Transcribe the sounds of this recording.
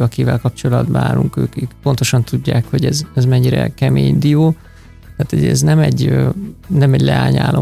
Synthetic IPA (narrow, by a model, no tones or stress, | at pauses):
ɒkivɛlkɒp̚t͡ʃo̞lɒd̪baːluŋkøːkikpont̪o̞ʃɒnt̪uɟːaːkho̞ɟɛzɛzmɛɲːiɾɛ̰kɛmeːɲd̪ioː | t̪aːt̪ho̰ɟɛznɛmɛɟønɛmɛɟlɛaːɲa̰ːlʔo